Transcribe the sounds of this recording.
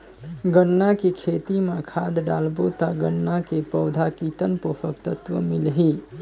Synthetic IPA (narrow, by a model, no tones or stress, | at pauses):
ɡənːakekʰet̪imakʰad̪ɖalbot̪aɡənːakepəʊd̪ʱakit̪ənpopʰək̚t̪ət̪ʋə̰milɦi